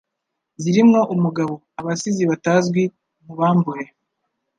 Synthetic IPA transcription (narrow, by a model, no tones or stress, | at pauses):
ziɾimŋo̞ʔumuɡaβo̞ | aβasiziβataːzɡwi | muβaːmbuje